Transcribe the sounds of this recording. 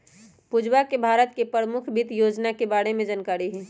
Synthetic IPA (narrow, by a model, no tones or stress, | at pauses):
pud͡ʒwakebʱaːɾət̪̚kepɾəmʊkʰbɪt̪joːd͡ʒnakebaːɽemẽd͡ʒaːnkaːɾiɦɛː